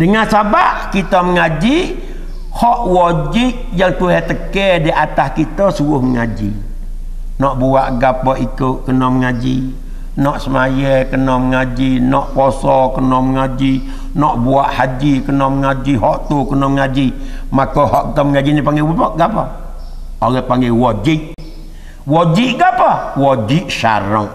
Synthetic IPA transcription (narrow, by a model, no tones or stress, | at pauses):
dəŋansabaʔkit̪əməŋad͡ʒi | hɔʔwɔd͡ʒɪʔ | jaŋt̪uɦɛt̪əkɛdiʔat̪ahkit̪əsuʊhməŋad͡ʒḭ | nɔʔbuaʔɡapɔʔikuʔkənɔməŋad͡ʒḭ | nɔʔsəmajɛkənɔməŋad͡ʒinɔʔpɔsɔkənɔmŋad͡ʒi | nɔʔbuaʔhad͡ʒikənɔmŋad͡ʒiɦɔʔt̪ukənɔmŋad͡ʒimakɔɦɔʔkit̪ɔmŋad͡ʒinipaŋɡɛwupɔʔɡapɔ | ɔlɛpaŋɡɛwɔd͡ʒiʔ | wɔd͡ʒiʔɡapawɔd͡ʒiʔʃa̰ɾɔ